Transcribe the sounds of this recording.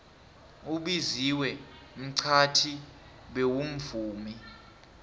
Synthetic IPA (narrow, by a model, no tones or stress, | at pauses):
uɓiziwɛ | m̩ǀʰatʰi | ɓewum̩vuːmi